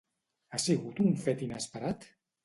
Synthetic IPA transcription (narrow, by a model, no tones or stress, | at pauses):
asiɣut̪ːɱfɛt̪inəspəɾat̪